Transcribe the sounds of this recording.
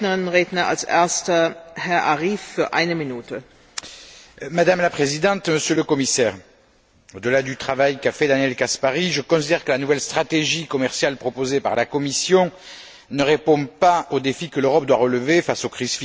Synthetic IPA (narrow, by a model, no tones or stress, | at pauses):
nəʁɪnnʁeːdnɐa̰lsʔḛɐstɐhɛɐʔaʁiːfːyːɐʔa̰ɪnəminuːtə | mad̪amlapχezid̪ɑ̃t̪məsjøləkɔmisɛʁ | od̪əlad̪yt̪χavajkafɛd̪anjɛlkaspaʁiʒəkɔ̃sid̪ɛʁkəlanuvɛlst̪χat̪eʒikɔmɛʁsjalpχɔpozepa̰ʁlakɔmisjɔ̃ | nəʁepɔ̃paod̪efikəløʁɔp̚d̪waʁələvefasokχizf